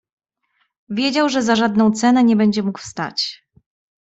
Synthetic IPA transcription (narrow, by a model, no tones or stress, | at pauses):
vʲjed͡ʑawʐɛzaʐad̪nɔ̃w̃t̪sɛnɛɲɛbɛɲd͡ʑɛmukfst̪a̰t͡ɕ